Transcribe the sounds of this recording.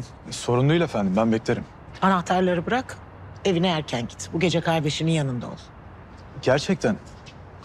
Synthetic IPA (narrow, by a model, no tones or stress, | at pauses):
so̞ɾunlˠujlafænd̪imbænbɛclʲeɾim | anaht̪ʰaɾlˠaɾɯbɯɾak | e̞vinɛæɾcʰænɟi̥t̪ʰbuɟe̞d͡ʒɛkʰaɾd̪e̞ʃininjanɯnd̪ao̰lˠ | ɟæɾt͡ʃʰɛc̚t̪ʰæn